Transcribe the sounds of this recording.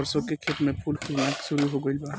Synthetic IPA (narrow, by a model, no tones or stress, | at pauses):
əɾsõkekʰeʈmẽpʰulkuɾnaksʊɾuɦoɡəɪlba